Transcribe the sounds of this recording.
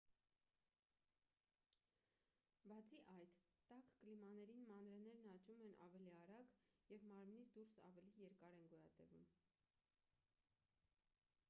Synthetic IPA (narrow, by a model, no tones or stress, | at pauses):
bɑt͡sʰiʔɑjt̪t̪ɑkklimɑnɛɾinmɑnɾɛnɛɾnɑt͡ʃumɛnʔɑ̰vɛliɑɾɑɡjɛvmɑɾmnit͡sʰd̪uɾsɑ̰vɛlijɛɾkɑɾɛnɡɔjɑt̪ɛvṵm